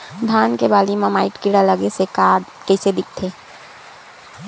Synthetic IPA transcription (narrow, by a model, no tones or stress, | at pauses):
d̪ʱaːnkebaːlimãmaːɪʈkɪɽaləɡesekaɽ | kɛɪsed̪ɪk̚ʰt̪ʰeː